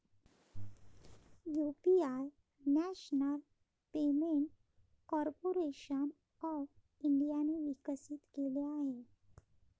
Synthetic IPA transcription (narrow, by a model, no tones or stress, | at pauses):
jupiaj | næɕnəl | pemeɳʈ | kɔɾpoɾeɕən | ɔʋ | iɳɖijaneʋikəsit̪keleaɦe